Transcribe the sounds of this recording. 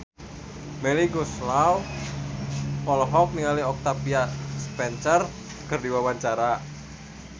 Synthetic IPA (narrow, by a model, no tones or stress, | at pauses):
mɛliɡuslaw | ɔlɔɦɔk̚niŋaliɔk̚t̪apiaspɛnsər | kərdiwawaɲt͡ʃaɾa